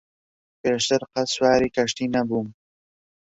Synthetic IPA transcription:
peːʃt̪ɨɾqɐswaːɾiːkɐʃt̪iːnɐbuːm

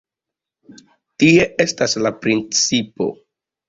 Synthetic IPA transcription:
tie̞ʔe̞staslapɾint͡sipo̞̰

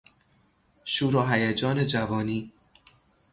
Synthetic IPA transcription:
ʃuːɾɒːɦæjæd͡ʒɒːne̞d͡ʒævɒːniː

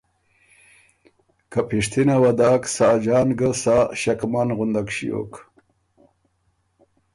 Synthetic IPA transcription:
kapʰiʂt̪ʰinawad̪aːksaːd͡ʑɑːnɡəsaɕakmanɣund̪akɕijo̰k

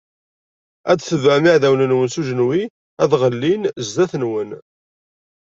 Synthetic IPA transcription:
æd̪θəvæmiʕðæwnənwənsuʒənwi | æðʁəlːinzd̪æθənwən

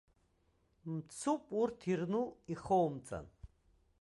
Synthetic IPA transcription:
mt͡sʰupʼuɾt̪ʰiɾnuiχɔwmt͡sʼa̰n

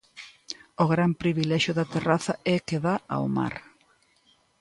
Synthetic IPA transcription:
oɣɾampɾiβilɛʃjʊðɐt̪eraθɐɛkeðaa̰oma̰ɾ

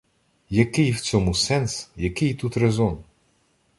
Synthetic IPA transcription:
jɐkɪjwt͡sʲɔmusɛnsjɐkɪjt̪ut̪ɾezɔn

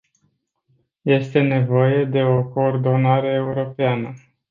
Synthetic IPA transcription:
je̞st̪e̞ne̞vo̞je̞d̪e̞o̞koːrd̪o̞naɾe̞ːuɾo̞peanə

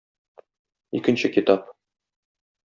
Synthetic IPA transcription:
ḭkɘ̆nɕɘkit̪ɑp

